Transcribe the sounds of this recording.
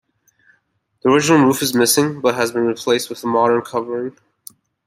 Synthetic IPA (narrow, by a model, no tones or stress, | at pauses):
ðiə˞ɪd͡ʒɨnl̩ˠɹufɨzmɪsɪ̃ŋbʌt̚ɦɨzbɨ̃nɹipʰl̥eɪst̚wəðəmɑɾə̃˞nkʰʌvə˞ɪ̃ŋ